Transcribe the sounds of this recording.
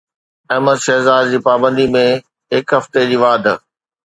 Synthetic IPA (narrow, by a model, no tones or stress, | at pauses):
ɐːməd̪ʃɛɦzaːd̪d͡ʑiːpaːbə̃nd̪imẽ | ɦɪkɦɐft̪ed͡ʑiːʋaːd̪ʱ